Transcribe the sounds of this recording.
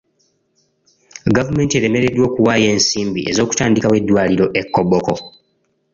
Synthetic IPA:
ɡavume̞ːntie̞ɾe̞me̞ɾe̞dwo̞ːkuwaːje̞ːnsiːmbiʔe̞zo̞ːku̥taːndikawe̞dːwaːliɾo̞ʔe̞kːoboko

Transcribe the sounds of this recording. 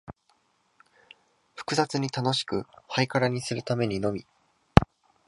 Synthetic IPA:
ɸɯ̥kɯ̟zat͡sɨɲ̟it̪ano̞ɕi̥kɯ̟haikaɾaɲ̟isɨɾɯ̟t̪ame̞ɲ̟ino̞mʲi

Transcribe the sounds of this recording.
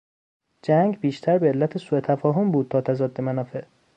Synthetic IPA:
d͡ʒæŋɡbiːʃt̪ʰæɾbeːlːæt̪ʰesuːet̪ʰæfɒːɦombuːd̪̚t̪ʰɒːt̪ʰæzɒːd̪ːemænɒːfe̞ʔ

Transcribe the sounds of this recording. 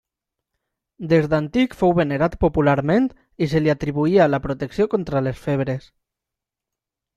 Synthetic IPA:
d̪ezd̪ant̪ikfowβeneɾat̪populaɾment̪ | iseliat̪ɾiβ̞uiaːlapɾot̪eksiokont̪ɾalesfeβ̞ɾes

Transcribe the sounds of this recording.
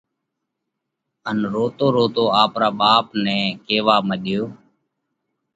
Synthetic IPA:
ənɾoːt̪oːɾoːt̪oːaːpɾaːɓaːpnɛ̃ːkeːʋaːməɗjoː

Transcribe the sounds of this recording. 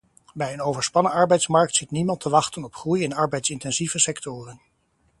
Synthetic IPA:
bɛjənowvəɹspɑnəɑɹbɛjtsmɑɹk̚tsitnimɑntʰəʋɑχtənɔpχrujɪnɑɹbɛjtsɪntɛnzivəsɛktʊːrən

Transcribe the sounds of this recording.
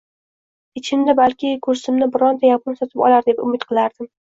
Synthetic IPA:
ɪt͡ʃʰɪmd̪abalkʲɪkʰɵɾsɪmnɪbɪɾɒnd̪ajapʊnsɒt̪ʰɪpɒ̰lˠaɾd̪epʊ̰mɪt̪qʰɨlˠaɾd̪ɪm

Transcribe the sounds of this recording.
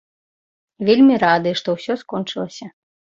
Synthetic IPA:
vʲelʲmʲiɾad̪ɨʂt̪ɔwsʲɔskɔnt͡ʂɨlˠɐsʲɐ

